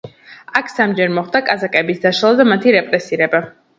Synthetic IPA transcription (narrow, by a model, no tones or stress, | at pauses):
akʰsamd͡ʒɛɾmɔχd̪akʼazakʼɛbisd̪aʃalˠad̪amat̪ʰiɾɛpʼɾɛsiɾɛba